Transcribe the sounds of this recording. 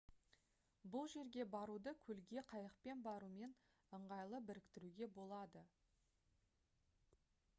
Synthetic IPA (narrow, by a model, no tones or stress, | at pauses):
bʊlˠʒe̞ɾɡʲe̞bɑɾud̪əkʲʰɵlɡʲe̞qʰɑjəqpe̞nbɑɾume̞n | əɴʁɑjlˠəbɪɾɪkt̪ɪɾuɡʲe̞bo̞lˠɑd̪ə